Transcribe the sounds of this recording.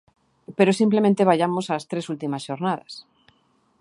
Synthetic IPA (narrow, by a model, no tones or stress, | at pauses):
peɾosimplemẽnt̪eβ̞aʎamosast̪ɾesult̪imasʃoɾnað̞a̰s